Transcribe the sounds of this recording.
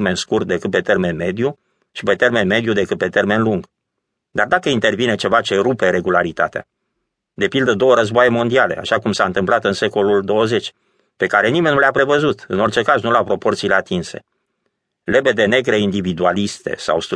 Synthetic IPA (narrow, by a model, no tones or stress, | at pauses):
me̞nskurt̪̚d̪e̞kɨt̪̚pe̞t̪e̞rme̞nme̞d̪ju | ʃipe̞t̪e̞rme̞nme̞d̪jud̪e̞kɨt̪̚pet̪e̞rme̞nluŋɡ | d̪ard̪akəint̪e̞rvine̞t͡ʃe̞vat͡ʃe̞ɾupe̞ɾe̞ɡulaɾit̪a̰t̪ea̰ | d̪e̞pild̪əd̪o̞wəɾəzboaje̞mo̞nd̪iale̞̰a̰ʃakumsaɨnt̪ɨmplat̪ɨnse̞ko̞luld̪o̞wəze̞t͡ʃʲ | pe̞kaɾe̞nime̞nuleapɾe̞vəzut̪ɨno̞rt͡ʃe̞kaznulapɾo̞po̞rt̪sile̞at̪inse̞̰ | le̞be̞d̪e̞ne̞ɡɾeind̪ivid̪ualist̪e̞̰sa̰wst̪